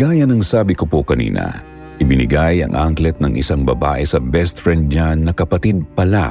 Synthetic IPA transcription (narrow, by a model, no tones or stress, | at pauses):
ɡ̥aːjɐnɐŋsaːbɪkopokɐnḭːnɐ̰ | ʔɪbɪnɪ̰ɡajɐ̰ŋʔaŋklɛt̪̚nɐŋʔɪ̰saŋbɐbaːʔɛsɐbɛst̪fɹɛnd̪̚ɲanːɐkɐpɐt̪id̪̚pɐla̰